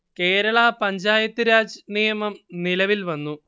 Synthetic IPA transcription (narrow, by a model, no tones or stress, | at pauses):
ke̞ːɾɐɭapɐɲd͡ʑaːjɐt̪ːiɾaːd͡ʑnijɐmɐmnilɐʋilʋɐnːu